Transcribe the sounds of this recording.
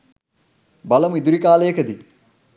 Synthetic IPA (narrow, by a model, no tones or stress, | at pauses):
bɐlɐmid̪uɾikaːleːkʰəd̪i